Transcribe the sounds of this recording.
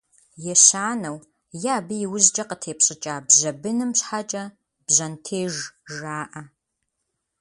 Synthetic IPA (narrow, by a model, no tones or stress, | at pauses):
jɛɕaːnɐw | jaːbɨjɪwzd͡ʒʼɐqətʰeːpɕʼɪt͡ʃʼaːbʑɐbɨnɨmɕħat͡ʃʼɐ | b̥ʑɐntʰeːʒʒaːʔɐ